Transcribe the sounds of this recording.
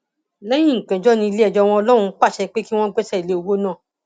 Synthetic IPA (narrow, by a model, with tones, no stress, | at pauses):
lɛ˦jĩ˦˨ŋ̩˨kɛ̃˨d͡ʒɔ˨˦nĩ˧le˦ɛ˨d͡ʒɔ˧w̃ɔ̃˧ɔ˧lɔ˦ɾ̃ũ˧˦k͡pa˦˨ʃɛ˧k͡pe˦ki˦w̃ɔ̃˦ɡ͡bɛ˦sɛ˦i˨le˨˦o˧wo˦nãː˦˨